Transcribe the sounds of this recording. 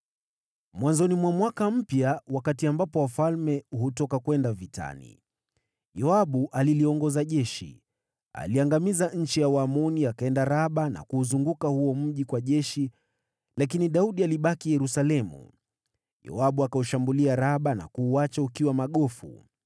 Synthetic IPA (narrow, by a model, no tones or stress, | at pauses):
mwanzɔnimwamwakam̩pjawakatiambapɔwafalmɛuɦutɔkakwɛndavita̰nḭ | jɔaɓuʔaliliɔŋɡɔzaʄɛʃḭ | a̰liaŋɡamizaɲ̩t͡ʃijawamɔniakaɛndaɾaɓana̰kuːzuŋɡukahuɔm̩ʄikwaʄɛʃi | lak̬iniɗauɗialiɓakijɛɾusalɛmṵ | jɔ̰aɓuakauʃambuliaɾaɓana̰kuːat͡ʃaukiwamaɠɔfṵ